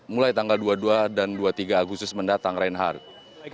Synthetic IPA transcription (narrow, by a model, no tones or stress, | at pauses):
mulajt̪aŋɡalduaduadanduat̪iɡaːɡust̪ʊsməndat̪aŋɾainɦa̰r